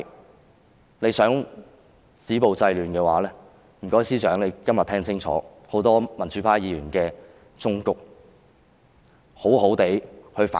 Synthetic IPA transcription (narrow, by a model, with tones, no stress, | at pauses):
ne˨˧jsœː˨˥ŋ | siː˨˥po˨wt͡sɐ˧jlyː˨nkɛː˧waː˨˧˥lɛː˥ | m̩˨˩kɔː˨˥jsiː˥t͡ʃœː˨˥ŋle˨˧jkɐ˥mjɐ˨t̪ʰɛː˥ŋt͡sʰɪ˥ŋt͡sʰɔ̰ː˨˥ | ho˨˥wt̪ɔː˥mɐ˨˩nt͡ʃy˨˥pʰaː˥jiː˨˧jyː˨˩nkɛː˧ | t͡sʊ˥ŋkʊ˨k̚ | ho˨˥who˨˥wt̪e˨˥jhɵ˧ɥfa̰ː˨